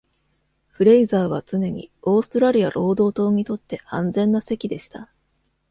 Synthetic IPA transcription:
ɸɯ̟ɾe̞izaːβat͡sɨne̞ɲ̟ḭo̞ːsɨ̥t̪oɾaɾʲiaɾʔo̞ːd̪o̞ːt̪o̞ːɲ̟it̪o̞t̪ːe̞ʔãnd͡zẽ̞nːase̞kʲid̪e̞ɕi̥t̪a

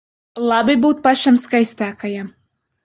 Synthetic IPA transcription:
lˠɑbɨbuːt̪̚pɑʃamskajsʲt̪æːkaja

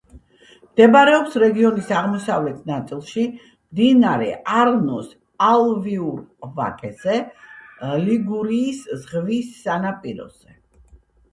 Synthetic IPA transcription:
md̪ɛbaɾɛɔpsɾɛɡiɔnisaʁmɔsavlɛt̪ʰnat̪sʼilˠʃi | md̪inaɾɛ̰ʔaɾnɔs | alˠviuɾva̰kʼɛzɛ | liɡuɾiːszʁvisːanapʼiɾɔ̰z̥ɛ

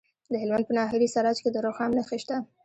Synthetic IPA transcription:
d̪əhɪlmand̪pənɑɦɪɾisaɾɑd͡ʒked̪əɾoxamnaxeʃt̪a

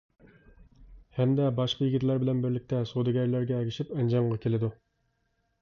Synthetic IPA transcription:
hɛmd̪ɛbɑʃqʰɑjiɡʲiɪt̪læɾbɪlɛnbɪɾlɪk̚ʲt̪ʰɛsod̪ɨɡʲɛɾlæɾɡʲɛːɡʲiʃipɛnd͡ʒɑɴʁɑkʲʰelɪd̪u

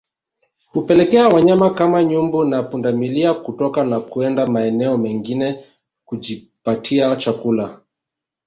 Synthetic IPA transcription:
hupɛlɛkɛawaɲamakamaɲumbunapundamiliakutɔkanakuɛndamaɛnɛɔmɛŋɡinɛ | kuʄi | patʰiat͡ʃakula

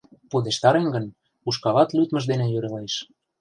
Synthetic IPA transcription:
pud̪eʃt̪ɑɾeŋɡə̆n | uʃkɑlɑt̪lyt̪mə̆d̪enejøɾeleʃ

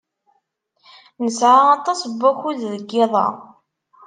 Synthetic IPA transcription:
nəsʕaɑt̪ˤɑsˤbːæçuððəɡːɪðˤɑ̰

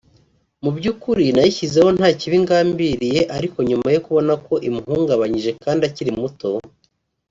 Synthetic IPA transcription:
mubɟuːkuɾinajiçize̞ho̞n̥haːciβiŋɡaːmbiɾije̞ʔaɾiko̞ɲumajo̞kuβo̞nako̞ʔimuhuːŋɡaβaɲiʒe̞kaːndaciɾimuto̞

